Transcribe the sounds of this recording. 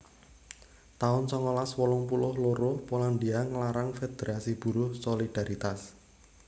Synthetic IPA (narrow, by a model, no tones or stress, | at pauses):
t̪aʊnsɔŋɔlaswɔlʊŋpulʊhloɾʊhpoland̪iaŋlaɾaŋfed̪̥eɾasib̥ṳɾʊhsolid̪̥a̤ɾit̪as